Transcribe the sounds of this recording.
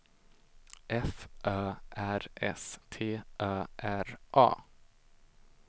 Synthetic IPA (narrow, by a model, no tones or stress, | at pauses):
ʔɛfʔœːʔæɾʔɛ̰st̪ʰeːʔœːʔæɾʔɑ̰ː